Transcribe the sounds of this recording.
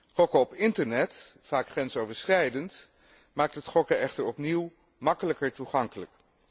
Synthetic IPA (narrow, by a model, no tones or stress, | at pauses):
χɔkəɔpɪntəɹnɛtfaːkχrɛnsowvəɹsχɛjdənt | maːk̚tətχɔkəɛχtəɹɔpniw | mɑkələkəɹtuχɑŋkələk